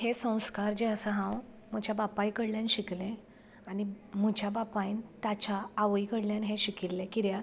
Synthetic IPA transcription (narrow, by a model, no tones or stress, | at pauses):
hesə̃w̃skaɾd͡ʑeəsəɦãw | m̤əd͡ʑjabapajkəɽljãnɕiklẽ | aɽi | m̤əd͡ʑjabapãjnt̪at͡ɕaːʋikəɽljãnɦẽɕikilːẽkiɾja